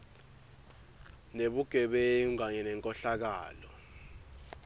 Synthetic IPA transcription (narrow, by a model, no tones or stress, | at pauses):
neɓuɡ̥ʱɛɓɛŋaɲɛnɛŋkʼɔɬak̬a̰ːlɔ